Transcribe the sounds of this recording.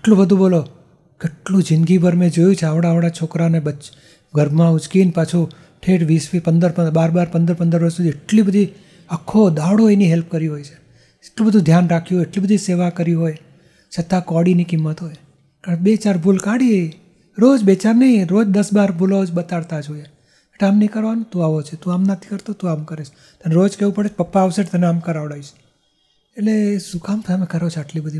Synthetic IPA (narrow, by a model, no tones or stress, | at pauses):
eʈlũbəd̪ʱũbolo | keːʈlũd͡ʒɪnɡibʱəɾmẽd͡ʒojũt͡ʃʰeaʋɽaəʋɽat͡ʃʰokɾanebə | ɡəɾbmãut͡ʃkinpat͡ʃʰu | ʈʰeʈʋisfipənd̪əɾpəbaɾbaɾpənd̪əɾpənd̪əɾʋəɾsud̪ieʈlibəd̪ʱi | əkʰːod̪aʋɽoeniɦelp̚kəɾiɦojt͡ʃʰe̥ | eʈlũbəd̪ʱũd̪ʱjanɾakʰiɦojeʈlibəd̪ʱiseʋakəɾiɦoj | t͡ʃʰət̪ːakɔɽinikimːət̪ɦoj | kaɾbet͡ʃaɾbʱulkaɽie | ɾod͡ʒbet͡ʃaɾnəiɾod͡ʒd̪əsbaɾbʱulod͡ʒbət̪aɽt̪ad͡ʒoe | eʈeamnikəɾʋanũt̪ũaʋot͡ʃʰet̪ũamnət̪ʰi̥kəɾt̪ot̪ũamkəɾet͡ʃʰ | t̪aneɾod͡ʒkeʋũpəɽet͡ʃʰpəpːaːʋseʈt̪əneamkəɾaʋɽaiʃ | eʈlesukamt̪ʰaəmekəɾot͡ʃʰeaʈlibəd̪ʱi